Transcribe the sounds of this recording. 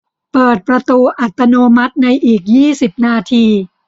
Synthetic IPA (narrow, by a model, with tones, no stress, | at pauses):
pɤː˨˩t̪̚pɾa˧t̪uː˧ʔa˨˩t̪ːa˧noː˧ma˦˥t̪̚na˧jʔiː˨˩k̚jiː˥˩si˨˩p̚naː˧t̪ʰiː˧